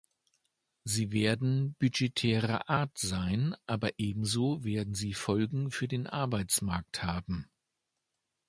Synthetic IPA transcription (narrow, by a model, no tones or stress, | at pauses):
ziːveːɐdn̩b̥yd͡ʒetʰɛːʁɐ̰ʔaːɐtz̥aɪnʔaːbɐʔeːbm̩zoːveːɐdn̩ziːfɔlɡŋ̩fyːɐdeːnʔa̰ɐbaɪt͡smaɐk̚thaːbm̩